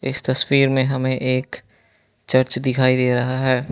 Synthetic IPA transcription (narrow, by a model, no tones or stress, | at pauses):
ɪst̪ɐswiːɾmẽɦɐmẽʔeːk | t͡ʃɐɾt͡ʃd̪ɪkʰaːid̪eːɾɐɦaɦɛː